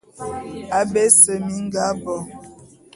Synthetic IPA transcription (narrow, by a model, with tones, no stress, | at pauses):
a˨be˦sə˨mi˦ŋ̩˦ɡa˦bɔ˨